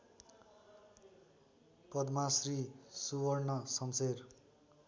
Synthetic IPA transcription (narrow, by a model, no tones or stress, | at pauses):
pʌd̪masrisuwʌrnʌsʌnser